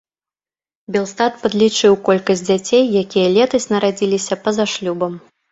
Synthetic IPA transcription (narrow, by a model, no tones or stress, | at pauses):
bʲɛlˠst̪at̪pɐd̪lʲit͡ʂɨwkɔlʲkɐsʲd͡zʲd͡zʲat͡sʲejːakʲijɐlʲɛt̪ɐsʲnɐɾad͡zʲilʲisʲɐpɐzaʂlʲubɐm